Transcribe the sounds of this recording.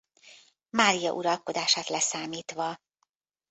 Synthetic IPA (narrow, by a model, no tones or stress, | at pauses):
maːɾijɒ̰ʔuɾɒlko̞d̪aːʃaːt̪lɛsaːmiːt̪ʋɒ